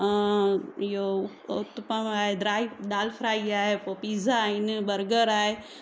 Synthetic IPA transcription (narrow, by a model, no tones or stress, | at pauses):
jo | ut̪pəmaːɦed̪ɾaːiɖaːlpʰɾaːiaːɦepopiːzʱainbəɾɡəɾaːɦe